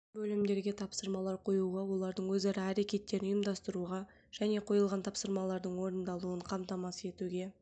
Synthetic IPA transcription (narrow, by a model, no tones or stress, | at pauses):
bɵlɪmd̪e̞ɾɡʲe̞t̪ʰɑpsəɾmɑlˠɑɾqʰo̞juʁɑwo̞lˠɑɾd̪əɴwɵzɑɾɑːɾe̞kʲe̞t̪ːe̞ɾnjəmd̪ɑst̪əɾuʁɑ | ʒ̥æne̞qʰo̞jəlˠʁɑnt̪ʰɑpsəɾmɑlˠɑɾd̪əɴwo̞ɾənd̪ɑlˠuəɴqʰɑmt̪ɑmɑse̞t̪uɡʲe̞